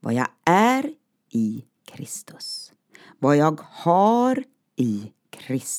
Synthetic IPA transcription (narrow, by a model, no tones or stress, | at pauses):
vɑ̰ːja̰ʔæɾ | ɪ | kʰɾɪst̪ʊ̥s | vɑːjɑːɡhɑɾ | i | kʰɾɪs